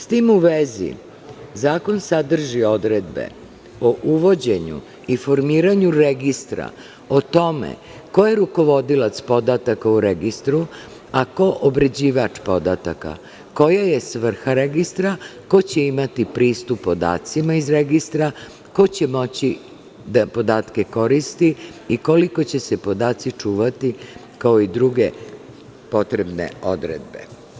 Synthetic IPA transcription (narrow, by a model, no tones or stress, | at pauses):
st̪imuʋezḭ | zaːko̞nsad̪r̩ʒio̞d̪ɾed̪be̞̰ | oʔuʋo̞d͡ʑe̞ɲṵ | ifo̞ɾmiːɾaɲuɾeɡist̪ɾa̰ | o̞t̪o̞mḛ | ko̞je̞ɾuko̞ʋo̞d̪ilat̪spo̞d̪at̪akauɾeɡist̪ɾu | ako̞ʔobɾe̞d͡ʑiʋat͡ʂpo̞d̪at̪a̰ka̰ | ko̞jajesʋr̩xaɾeɡist̪ɾako̞t͡ɕe̞imat̪ipɾiːst̪upːo̞d̪a̰ːt̪simaizɾeɡist̪ɾa | ko̞t͡ɕe̞mo̞t͡ɕi | d̪apo̞d̪aːt̪ke̞ko̞ɾist̪iːko̞liko̞t͡ɕese̞po̞d̪aːt̪sit͡ʂuːʋat̪i | kao̞id̪ɾuɡe̞̰ | po̞t̪ɾebnḛo̞d̪ɾḛd̪̚be̞̰